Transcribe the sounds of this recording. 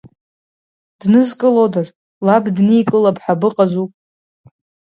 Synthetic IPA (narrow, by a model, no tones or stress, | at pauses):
d̥nɨzkʼɨlodazʼ | labdnijkʼɨlapʰħabɨqʼazupʼ